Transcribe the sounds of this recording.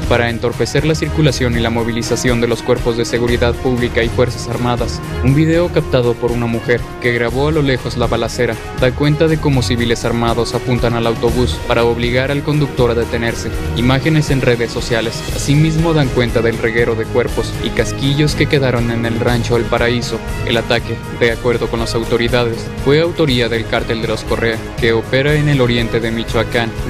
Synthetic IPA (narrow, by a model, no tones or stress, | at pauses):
paɾaent̪o̞ɾpe̞se̞ɾlasiɾkulasjo̞nilamo̞β̞ilisasjo̞nd̪e̞lo̞skwe̞ɾpo̞zðe̞se̞ɣuɾiðaðpuβlikaifwe̞ɾsasaɾmaðas | umbið̞e̞o̞kap̚t̪að̞o̞po̞ɾunamuxe̞ɾke̞ɣɾaβo̞alo̞le̞xo̞zlaβalase̞ɾa | d̪aŋkwe̞nt̪aðe̞ko̞mo̞siβ̞ile̞saɾmaðo̞sapunt̪analawt̪o̞βuspaɾaoβliɣaɾalko̞nd̪uk̚t̪o̞ɾaðe̞t̪e̞ne̞ɾse̞imaxe̞ne̞se̞nre̞ðe̞sːo̞sjale̞sa̰simizmo̞ðaŋkwe̞nt̪aðe̞lreɣe̞ɾo̞ðe̞kwe̞ɾpo̞sikaskiʝo̞ske̞ke̞ðaɾo̞ne̞ne̞lrant͡ʃo̞elpaɾaiso̞ḛlat̪ake̞ | ðe̞akwe̞ɾðo̞ko̞nlasawt̪o̞ɾiðaðe̞sfwe̞awt̪o̞ɾiaðe̞lkaɾt̪e̞ld̪e̞losko̞reaske̞ope̞ɾaene̞lo̞ɾje̞nt̪e̞ðe̞mit͡ʃoakan